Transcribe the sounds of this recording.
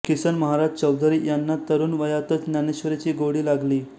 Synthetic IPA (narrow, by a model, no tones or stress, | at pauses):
kisənməɦaɾad͡ʑt͡ɕəwd̪ʱɾijanːat̪əɾuːnʋəjat̪ət͡snjaneɕʋəɾet͡ɕiːɡoɽiːlaɡliː